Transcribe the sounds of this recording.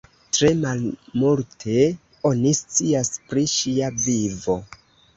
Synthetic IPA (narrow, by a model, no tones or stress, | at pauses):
tɾe̞malmultʰe̞ | o̞nist͡siaspɾiʃiavivo̞